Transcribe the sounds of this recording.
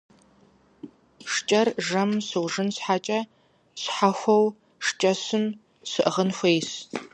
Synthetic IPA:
ʂt͡ʃʼɐrʒɐmsɨwʐɨnsħaːt͡ʃʼɐ | sħaxʷɐw | ʂt͡ʃʼɐsɨm | sɨʔʁənxʷejs

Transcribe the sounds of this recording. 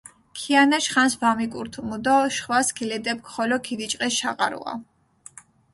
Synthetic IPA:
kʰianaʃχansbamikʼuɾt̪ʰumud̪ɔʃχwaskʰilɛd̪ɛp̚kʰχɔlɔkʰidit͡ʃʼqʼɛsʃaqʼaɾṵa̰

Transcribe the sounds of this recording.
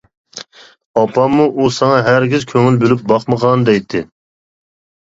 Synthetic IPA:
ɑpʰɑmːuʔusɑŋɑɦæɾɡʲizkʲʰøŋylbølyp̚bɑqməʁɑnd̪ɛjt̪ʰːɪ

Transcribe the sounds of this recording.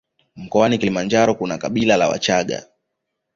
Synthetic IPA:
m̩kɔanikilimand͡ʒaɾɔkunakaɓilala̰wa̰t͡ʃaɠa̰

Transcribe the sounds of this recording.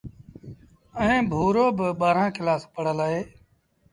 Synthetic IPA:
əɦẽːbʱuːɾoːbəɓaːɾãːkɪlaːspəɽ̤əlaːɦeː

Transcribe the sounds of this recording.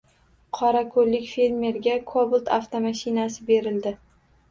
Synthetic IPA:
qʰɒɾakʰolːɪkʲfe̞lme̞ɾɡʲakʰobʊlˠt̪ʰaft̪omaʃɪnasɪbe̞ɾɪld̪ɪ

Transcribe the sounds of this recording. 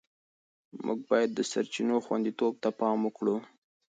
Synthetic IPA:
mʔṵɡ̚bɑjad̪ːəsaɾt͡ʃinoxwa̰nd̪it̪ob̚t̪apɑməkɽu

